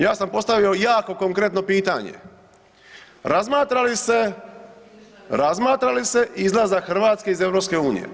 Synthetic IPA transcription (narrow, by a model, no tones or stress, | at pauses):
jaːsampo̞st̪aʋio̞jaːko̞koŋkɾet̪no̞piːt̪a̰ɲḛ | ɾazmaːt̪ɾalise | ɾazmaːt̪ɾalise̞ʔizlˠazaxr̩ʋaːt̪ske̞ize̞ʋɾopske̞uːnḭjḛ